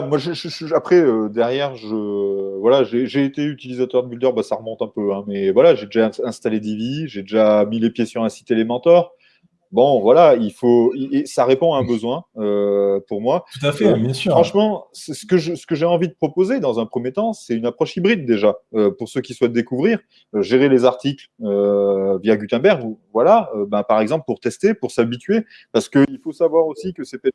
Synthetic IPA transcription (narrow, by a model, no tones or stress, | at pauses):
amwaʒəʒapχɛød̪ɛʁjɛʁʒəvwalaʒeʒeːt̪eyt̪ilizat̪œʁd̪əbyld̪œʁbasaʁəmɔ̃t̪ɛ̃pøɛ̃mɛvwalaʒed̪eʒãɛ̃st̪aled̪iviʒed̪eʒamilepjesyʁɛ̃si̥t̪elemɑ̃t̪œʁ | bɔ̃vwalailfoiʔesaʁepɔ̃aɛ̃bəzwɛ̃øpuʁmwauafɛjɛ̃sfχɑ̃ʃmɑ̃səsə̥kəʒəsə̥kəʒeɑ̃vid̪əpχɔpozed̪ɑ̃zɛ̃pχəmjet̪ɑ̃sɛynapχɔʃibʁid̪ːeʒaøpuʁsøkʲiswɛt̪̚d̪ekuvʁiːʁ | øʒeʁelezaʁt̪ikløvjaɡʲyt̪ɛ̃bɛʁɡuvwalaøbɛ̃paʁɛɡzɑ̃plpuʁt̪ɛst̪epuʁsabit̪ɥe | paʁsə̥kəilfosavwaʁosikəsɛt̪ɛ